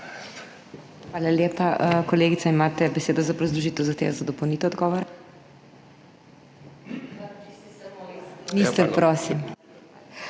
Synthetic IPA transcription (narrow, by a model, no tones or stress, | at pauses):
xʋaːlaljeːpaʔkɔleːɡit̪saimaːt̪ɛbɛseːd̪ɔzapɾɔzd̪ɾuʒit̪ɛwzaxt̪ḛʋɛzad̪ɔpownit̪ɛɔd̪ɡɔːʋɔɾa | mist̪ɛpɾoːsim